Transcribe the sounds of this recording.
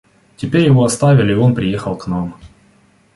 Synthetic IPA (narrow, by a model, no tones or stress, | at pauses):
tʲɪpʲeɾʲjɪvo̞ɐst̪avʲɪlʲɪo̞npɾʲɪje̞xəlˠknam